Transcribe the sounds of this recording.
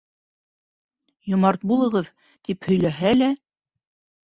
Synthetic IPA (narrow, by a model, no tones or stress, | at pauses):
jŏmɑɾt̪̚bulˠɤ̆ʁɤð | t̪iphɵ̆jlæɦælæ